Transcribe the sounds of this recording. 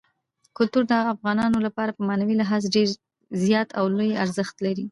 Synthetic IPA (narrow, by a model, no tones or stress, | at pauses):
kʊlt̪uɾd̪əafɣɑnɑnolapɑɾapəmɑnawilaɦɑzɖeɾ | zjɑt̪awlojaɾzəxt̪laɾi